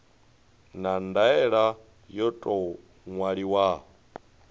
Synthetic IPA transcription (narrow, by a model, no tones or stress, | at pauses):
nandaɛɺa | jɔtʼɔ | ŋwaɺiwaː